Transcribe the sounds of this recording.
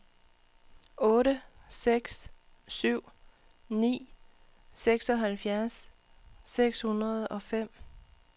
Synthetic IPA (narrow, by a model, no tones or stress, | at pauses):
ɔ̽ːɾəseɡ̥s | syʊ̰ | nḭː | seɡ̥sɒ̽ɦælfjæɐsː | eɡ̥shunɐð̞ˠɒ̽fem̰